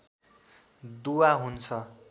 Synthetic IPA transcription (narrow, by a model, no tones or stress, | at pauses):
d̪uwaɦunt͡sʰʌ